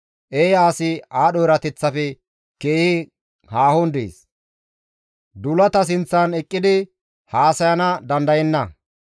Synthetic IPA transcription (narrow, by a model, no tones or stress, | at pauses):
ʔejaːsɪaːɗɔjɪɾɐt̪ɛt͡sːɐfɛ | ke̞ːhɪ | haːhɔnd̪ḛːs | d̪ʊlɐt̪ɐs̬ɪnt͡sːɐnɛkʼːɪd̪ɪ | haːsɐjɐnɐd̪ɐnd̪ɐjɛnːɐ